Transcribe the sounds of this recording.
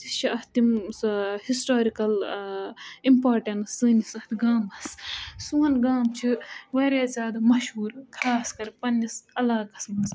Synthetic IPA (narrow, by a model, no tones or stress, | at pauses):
iʃʰiɐht̪imshisʈoːɾikɐl | impaːɾʈɐnɐsɨːnisɐt̪ɡaːmɐssuɐnɡaːmt͡ʃʰiʋɐɾaːt͡sʲaːd̪ɨmɐʃhuːɾkʰaːskɐɾpɐnːisɐlaːɡɐsmns